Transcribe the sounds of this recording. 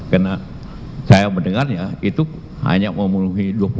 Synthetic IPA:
karna | sajabəndəŋarjait̪u | ha̰ɲaməmunuɦiduapu

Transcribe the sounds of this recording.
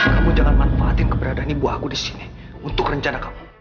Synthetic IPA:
kamud͡ʒaŋanmanfaat̪ɪnkəbəɾadanibuahkudisi̥ni | unt̪ʊkrəɲt͡ʃanakamu̥

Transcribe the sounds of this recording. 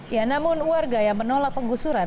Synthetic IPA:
janamʊnwarɡajaŋmənolak̚pəŋɡusuɾa

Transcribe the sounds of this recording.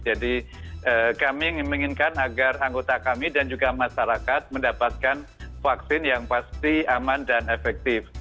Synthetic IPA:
d͡ʒadi | əːkamimiŋɪnkanaɡaraŋɡot̪akamidand͡ʒuɡamaʃaɾakat̪̚məndapat̪̚kanfaksɪnjaŋpast̪iamandanefɛk̚t̪ɪf

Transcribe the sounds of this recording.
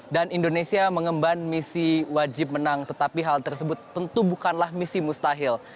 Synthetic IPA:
danindonesiaməŋəmbanmisiwad͡ʒɪp̚mənaŋt̪ət̪apiɦalt̪ərsəbʊt̪ːənt̪ubukanlahmisimust̪aɦɪl

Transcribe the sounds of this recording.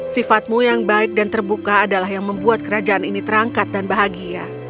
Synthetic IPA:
sifat̪̚mujaŋbaɪk̚dant̪ərbukaːdalaɦjaŋməmbuat̪̚kəɾad͡ʒaːninit̪əɾaŋkat̪̚danbaɦaɡia

